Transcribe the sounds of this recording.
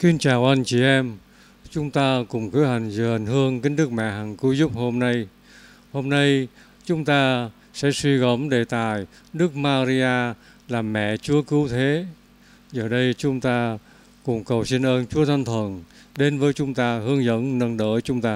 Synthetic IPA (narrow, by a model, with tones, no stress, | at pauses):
ki˧nt͡ɕaː˨˩wʔa˧jŋ̟t͡ɕi˧˨˩ʔɛ˧m | t͡ɕʊ˨˦ŋ͡mt̪aː˧kʊ̰˨˩ŋ͡mkɨ˨˦ha˨˩jŋ̟zɨ˨˩ha˨˩ŋ̟hɨ˧əŋkï˧˦ŋ̟ɗ̪ɨ˦˥k̚mɛ̰˧˨ɦa˨˩ŋkɨ˨˦zʊ˦˥p̚ho˧mna˧j | ho˧mna˧j | t͡ɕʊ˨˦ŋ͡mt̪aː˧ | sɛ̰˧˥swi˧ɣə˨˧˥mɗe˨˩t̪aː˨˩j | ɗɨ˦˥k̚maː˧zi˧ʔaː˧ | laː˨˩mːɛ̰˧˨t͡ɕu˨˦əkɨ˨˦wt̪ʰe˨˦ | zəː˨˩ɗə˧jt͡ɕʊ˨˦ŋ͡mt̪aː˧ | kʊ̰˨˩ŋ͡mkə˨˩wsi˧nʔəː˧nt͡ɕu˨˦ət̪ʰa˧nt̪ʰwə˨˩n | ɗe˨˦nvəː˨˦jt͡ɕʊ˨˦ŋ͡mt̪aː˧hɨ˨˧˦əŋzə̰˧˥nnə˧nɗə̰ː˧˥jt͡ɕʊ˨˦ŋ͡mt̪aː˧